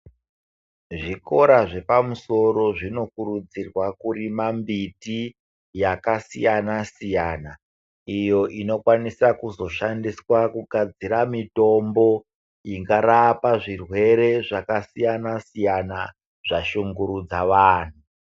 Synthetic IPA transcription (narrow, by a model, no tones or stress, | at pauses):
ʐiko̞ɾaʐe̞pamuso̞ɾo̞ʐino̞kuɾud͡zirwakuɾimambiti | jakasijanasijaːna | ijo̞ʔino̞kwanisakuzo̞ʃandiswakuɡʱad͡ziɾamito̞mbo̞ | iŋɡaɾapaʐirwe̞ɾe̞ʐakasijanasijana | ʐ̥aʃuŋɡuɾud͡zaʋaːn̤u